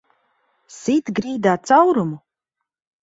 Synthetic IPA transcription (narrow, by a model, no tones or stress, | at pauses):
sit̪ɡɾiːd̪aːt̪sawɾumu